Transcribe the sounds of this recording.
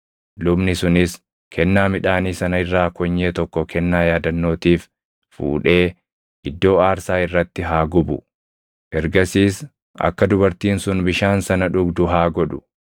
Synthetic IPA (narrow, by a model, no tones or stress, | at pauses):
lʊbnɪsʊnɪs | kʰɛnːaːmɪᶑaːniːsɐnɐɪrːaːkɔɲːeːt̪ɔkːɔkʰɛnːaːjaːd̪ɐnːo̞ːt̪iːf | fṵːᶑe̞ː | ʔɪd̪ːo̞ːaːɾsaːɪrːɐt̪ːɪɦaːɡʊbʊ | ʔɛɾɡɐsiːs | ʔɐ̰kːɐd̪ʊbɐɾt̪iːnsʊnbɪʃaːnsɐnɐᶑʊɡd̪ʊɦaːɡɔᶑʊ̥